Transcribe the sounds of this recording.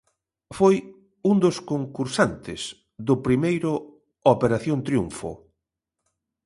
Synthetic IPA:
foj | und̪ʊskoŋkuɾsant̪ɪs | ðʊpɾimejɾʊ | opeɾaθjont̪ɾjṵɱfʊ̰

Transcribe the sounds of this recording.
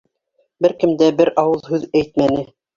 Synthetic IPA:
bɘɾkɘ̆md̪æbɘɾɑwɤlˠɦʉðæjt̪̚mænɘ

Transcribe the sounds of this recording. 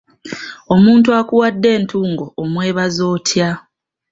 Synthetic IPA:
o̞muːntuakuwadːe̞ːntʰuːŋɡo̞ːmwe̞ːβazo̞ːtʰja

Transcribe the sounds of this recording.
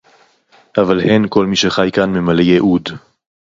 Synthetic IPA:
ʔavalhenko̞lmiʃeχajkanmemalejeʔud

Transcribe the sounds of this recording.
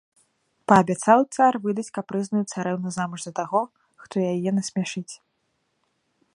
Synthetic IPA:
pɐːbʲat̪sawt̪sarvɨd̪ɐt͡sʲkɐpːɾɨznɐjut̪saɾɛwnuzamuʐzɐt̪aɣɔ | xt̪ɔjajɛnɐsʲmʲaʂɨt͡sʲ

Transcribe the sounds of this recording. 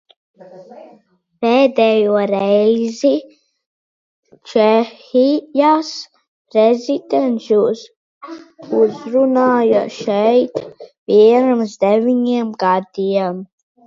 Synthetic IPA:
peːd̪ɛjuɔɾɛjzi | t͡ʃɛxijas | pɾɛzʲid̪enʃus | uzɾunaːjaʃɛjt̪viɛnamzd̪ɛvʲiɲiɛmɡad̪iɛm

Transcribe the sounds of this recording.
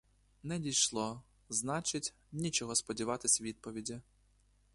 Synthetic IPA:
nɛdʲijʃlˠɔ | znɑt͡ʃɪtʲ | nʲit͡ʃɔɦɔspɔdʲiʋɑt̪ɪsʲʋʲid̪̚pɔʋʲidʲi

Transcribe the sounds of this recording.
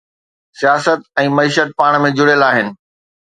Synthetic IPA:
sijaːsət̪ɛ̃ːmɐiːʃət̪̚paːɽ̃mẽd͡ʑʊɽəlaːɦɪnɪ̆

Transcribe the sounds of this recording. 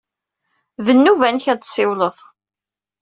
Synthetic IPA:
ðənːuvænçæd̪sɪwləðˤ

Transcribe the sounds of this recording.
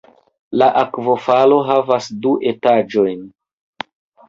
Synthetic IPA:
laʔakvo̞falo̞ɦavasduʔe̞tad͡ʒo̞jn

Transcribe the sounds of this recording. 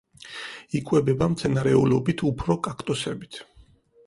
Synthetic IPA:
ikʼwɛbɛbamt̪sʰɛnaɾɛulɔbit̪ʰupʰɾɔkʼakʰt̪ʼɔsɛbit̪ʰ

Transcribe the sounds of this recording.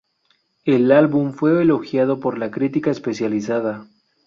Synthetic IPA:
e̞lalβumfwe̞ːlo̞xjað̞o̞po̞ɾlakɾit̪ikaespe̞sjalisaða

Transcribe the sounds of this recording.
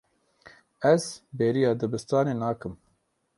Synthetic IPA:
ɛzbeːɾijɑːd̪ɨbɨst̪ɑːneːnaːkɨm

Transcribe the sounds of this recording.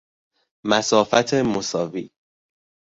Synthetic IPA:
mæsɒːfæt̪ʰemosɒːviː

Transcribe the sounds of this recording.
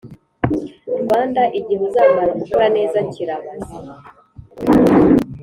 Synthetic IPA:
ɾwaːndaʔiɟiɦuzaːmaɾakukuɾane̞ːzaɲciɾama

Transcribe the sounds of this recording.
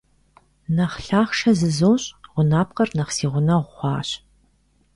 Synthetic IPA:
nɐχɬaːχʃɐzɨzoːɕʼʁʷʊnaːp̚qɐrnɐχsiːʁʷʊnɐʁʷχʷɑ̰ːɕ

